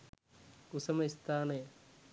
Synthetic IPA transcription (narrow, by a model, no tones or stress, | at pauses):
usɐmɐist̪ʰaːnɐj